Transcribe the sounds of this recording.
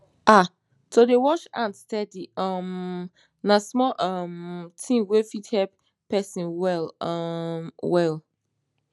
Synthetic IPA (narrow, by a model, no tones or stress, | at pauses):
ʔa | todewɔt͡ʃãnstɛdiʌm | nasmɔʔʌmtʰĩŋwefithɛlp | pɛsĩnwɛl | mwɛl